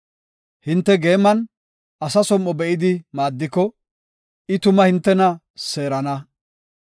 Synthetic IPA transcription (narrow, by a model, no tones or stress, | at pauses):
hɪnt̪ːɛɡe̞ːmːɐn | ʔɐsɐsɔmːɔbɛʔɪd̪ɪmaːd̪ːɪkɔ | ɪt̪ʊmɐhɪnt̪ːɛnɐ | se̞ːɾɐnɐ